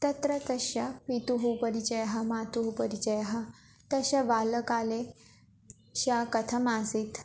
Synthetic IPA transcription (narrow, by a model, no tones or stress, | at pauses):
t̪ɐt̪ɾət̪əɕapit̪uɦupəɾit͡ɕəjɦamat̪uɦupəɾit͡ɕəjɦa | t̪əɕaʋaləkale | ɕakət̪ʰəmasit̪